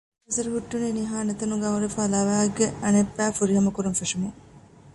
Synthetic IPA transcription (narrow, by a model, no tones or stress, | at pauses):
ɐsɐɾuɦuʈːuniniɦaːnet̪ɐnuɡɐuɾefaːlɐʋæːɡeɐnepːæːfuɾiɦɐmɐkuɾumfeʂɐmu